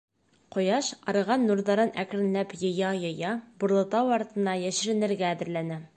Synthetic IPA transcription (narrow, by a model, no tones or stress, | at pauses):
qŏjɑʃɑɾɤ̆ʁɑnːuɾðɑɾɤnækɾɘ̆nlæpjɤ̆jɑjɤ̆jɑbŭɾlˠɤ̆t̪ɑwɒɾt̪ɤ̆nːɑjæʃɘ̆ɾɘ̆nɘ̆ɾɡæːðɘ̆ɾlænæ